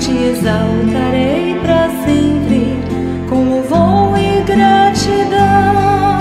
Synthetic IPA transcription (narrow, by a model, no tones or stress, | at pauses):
t͡ʃiezawt̪aɾejpɾɐsẽpɾɪ | kõw̃ʊvow̃ɪɡɾat͡ʃid̪ɐ̃w